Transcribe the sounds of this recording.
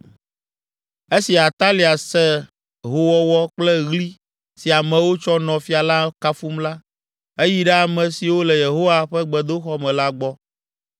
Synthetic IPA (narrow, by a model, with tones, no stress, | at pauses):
e˦si˨a˨t̪a˦li˨a˨sɛ˦ | ɦo˨wɔ˦wɔ˦k͡plɛ˦ɣli˦ | si˨a˨mɛ̃˨wo˦t͡ʃɔ˦nɔ̃˨fi˦a˨la˦ka˦fu˦mla˦ | e˦ji˦ɖɛ˦a˨mɛ̃˨si˨wo˦lɛ˨je˨ɦo˦wa˨ɸɛ˦ɡ͡bɛ˨d̪o˦xɔ˦mɛ̃˨la˦ɡ͡bɔ˦